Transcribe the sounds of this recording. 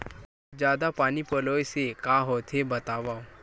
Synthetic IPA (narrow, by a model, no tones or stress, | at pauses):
d͡ʑjad̪apañiːpəlojsekaɦot̪ʰebət̪aʋaw